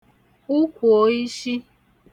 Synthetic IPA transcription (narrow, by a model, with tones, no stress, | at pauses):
u˦kʷu˨o˨i˦ʃi˦